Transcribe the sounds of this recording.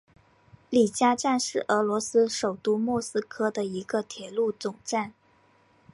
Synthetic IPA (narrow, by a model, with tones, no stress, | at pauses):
li˨˩t͡ɕja˥ʈ͡ʂa˥˧nʂɻ̩˥˩ʔɤ˧˥lwɔ˧˥sɹ̩˥ʂo˨˩ʊt̪u˥mwɔ˥˩sɹ̩˥kʰɤ˥d̪ə˨i˧˥ɡə˧t̪ʰjɛ˨˩lu˥˩t͡sʊ˨˩ŋʈ͡ʂa˥˩n